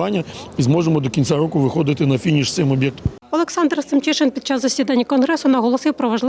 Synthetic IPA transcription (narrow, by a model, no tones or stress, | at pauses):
anʲːɐizmɔʐemɔd̪ɔkʲinsʲaɾɔkʊʋɪxɔd̪ɪt̪ɪnɐfʲinʲiʂt̪sɪmɔbʲjɛk̚t̪ɔ̥m | ɐlˠɛksand̪rsɪmt͡ʃɛʂɛnpʲid̪t͡ʃazzɐsʲid̪anʲːikɔnɦɾɛsʊnɐɦɔlˠɔsejwpɾɔʋɐʐlˠ